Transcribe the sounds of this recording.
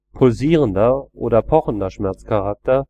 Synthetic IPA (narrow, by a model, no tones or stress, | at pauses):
pʰʊlziːʁəndɐʔoːdɐpʰɔχn̩dɐʃmɛɐt͡skʰaʁak̚tɐ